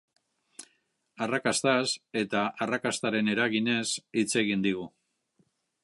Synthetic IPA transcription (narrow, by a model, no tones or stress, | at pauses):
arakast̪ase̞t̪aʔarakast̪aɾe̞ne̞ɾaɣine̞sit͡se̞ɣind̪iɣu